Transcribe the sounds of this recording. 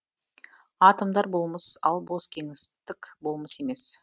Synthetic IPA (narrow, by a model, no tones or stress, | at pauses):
ɑt̪əmd̪ɑɾbo̞lˠməsɑlˠbo̞skʲʰe̞ŋɪst̪ɪkbo̞lˠməse̞me̞s